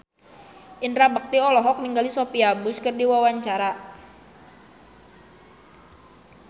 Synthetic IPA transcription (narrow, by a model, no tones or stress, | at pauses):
ʔinɾabək̚t̪iɔlɔɦɔk̚niŋɡalisopiabʊskərdiwawaɲt͡ʃaɾa